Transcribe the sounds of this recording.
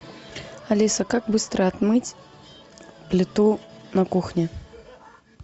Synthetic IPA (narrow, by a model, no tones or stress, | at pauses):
alʲisɐkakbɨst̪ɾɐad̪mɨt͡sʲ | plʲit̪unɐkuxnʲɛ